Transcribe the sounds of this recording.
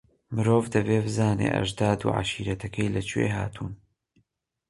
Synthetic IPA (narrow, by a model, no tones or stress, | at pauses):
mɨɾoːvd̪ɐbeːbɨzaːnḛːʔɐ̰ʒd̪aːd̪ṵːʕa̰ʃiːɾɐt̪ʰɐkʰɐjlɐt͡ʃʰwḛɦaːt̪ʰuːn